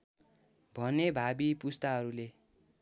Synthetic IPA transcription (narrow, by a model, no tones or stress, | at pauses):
bʱʌnebʱabipust̪aɦʌɾule